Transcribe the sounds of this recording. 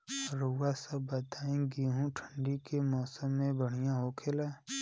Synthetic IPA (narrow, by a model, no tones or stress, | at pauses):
ɾowasəbbət̪aːẽɡiɦũʈʰə̃ɳɖikemɔːsəmːẽbəɽ̤ijaɦoːkʰela